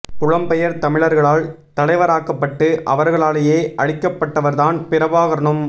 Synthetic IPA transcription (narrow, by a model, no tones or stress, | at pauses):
pʊɻɐmpɛjɐɾt̪ɐmɪɭɐɾɣɐɭaːl | t̪ɐlɐɪʋɐɾaːkːɐpːɐʈːɯʔɐʋɐɾɣɐɭaːlɐjeːʔɐɻɪkːɐpːɐʈːɐʋɐɾðaːnpɪɾɐbaːɣɐɾɐɳɯm